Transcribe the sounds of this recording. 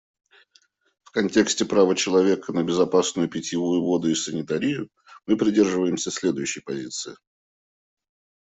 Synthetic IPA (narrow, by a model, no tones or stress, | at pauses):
fkɐnʲtʲe̞ksʲtʲɪpɾavət͡ɕɪlˠɐvʲe̞kənəbʲɪzɐpasnʊjʊpʲɪtʲɪvujʊvo̞d̪ʊɪsənʲɪt̪ɐɾʲijʊ | mɨpɾʲɪdʲe̞rʐɨvəjɪmsʲəsʲlʲe̞d̪ʊjʉɕːɪjpɐzʲit̪sɨɪ